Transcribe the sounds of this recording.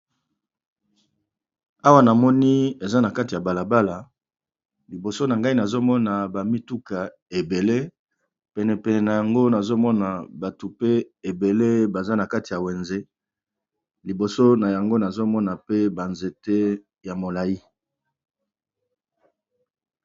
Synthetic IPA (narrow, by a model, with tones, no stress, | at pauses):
a˦wa˦na˨mɔ˦ni˦e˨za˦na˨ka˦ti˨ja˨ba˨la˨ba˦la˨ | li˨bo˨so˦na˨ŋɡa˦i˦na˨zo˦mɔ˦na˨ba˨mi˦tu˦ka˨ | e˨be˨le˦ | pɛ˨nɛ˨pɛ˨nɛ˨na˨ja˨ŋɡo˦na˨zo˦mɔ˦na˨ba˨tu˨pe˦e˨be˨le˦ba˨za˦na˨ka˦ti˨ja˨we˨nze˦ | li˨bo˨so˦na˨ja˨ŋɡo˦na˨zo˦mɔ˦na˨pe˦ba˨nze˨te˦ | ja˨mo˨la˨ji˦